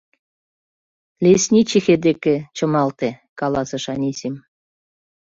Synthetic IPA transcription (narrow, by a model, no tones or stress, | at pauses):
lʲesʲnʲit͡ɕixed̪eket͡ɕɤ̆mɑlt̪e | kɑlɑsɤ̆ʃɑnʲisʲim